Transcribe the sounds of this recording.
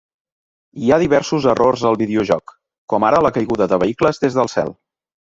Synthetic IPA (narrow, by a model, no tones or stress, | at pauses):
iaðiβɛɾsuzərʔorzəlˠβiðiuʒɔk | kːɔmaɾələkəjɣuðəðəβəikləzðezðəlˠsɛ̰lˠ